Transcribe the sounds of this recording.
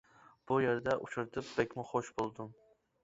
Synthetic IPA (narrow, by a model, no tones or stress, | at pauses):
b̥ujeɾd̪ɛʔut͡ʃʰuɾt̪ʰɨp̚b̥ɛkʲmɪχoʃbolˠd̪um